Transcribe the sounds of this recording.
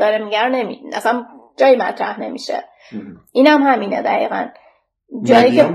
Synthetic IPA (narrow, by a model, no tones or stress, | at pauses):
ɒɾemiɟæɾne̞mḭʔæ̰sænd͡ʒɒːjimæt̪ʰɾæhne̞mḭʃḛ | ʔiːnæmhæmiːned̪æʁḭːɣæ̰n | d͡ʒɒːjiːce